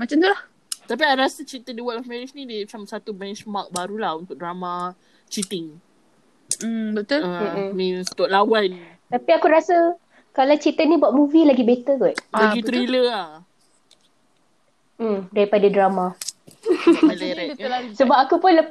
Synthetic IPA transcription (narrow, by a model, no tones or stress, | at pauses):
mat͡ʃamt̪ulah | t̪ap̬iaaɾasat͡ʃit̪ədiwaʔɔfmɛɾit͡ʃnidimat͡ʃamsat̪ubɛnt͡ʃmak̚baɾulahunt̪ʊk̚dɾama | t͡ʃit̪ɪŋ | bət̪ʊəmĩnst̪ɔʔ̚lawan | t̪apiakuɾasa | kalat͡ʃit̪ənibuaʔ̪̚muvilaɡibet̪əɡɔʔ̚laɡit̪ɾiləa | m̩daɾipadadɾama | alaɾɛsəbap̚akupʊnlə